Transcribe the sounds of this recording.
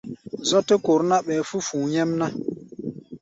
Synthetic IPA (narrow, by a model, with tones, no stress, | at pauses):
zɔ˦tə˦ko˨ɾna˦ɓɛː˨fu˦fũː˨ɲɛ˦mna˦